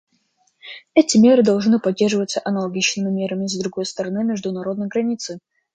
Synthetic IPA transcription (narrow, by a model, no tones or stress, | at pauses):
ɛtʲɪmʲe̞ɾɨd̪ɐlˠʐnɨpɐdʲːe̞rʐɨvət̪səʔɐnəlˠɐɡʲit͡ɕnɨmʲɪmʲe̞ɾəmʲɪzd̪ɾʊɡo̞jst̪əɾɐnɨmʲɪʐd̪ʊnɐɾo̞d̪nəjɡɾɐnʲit̪sɨ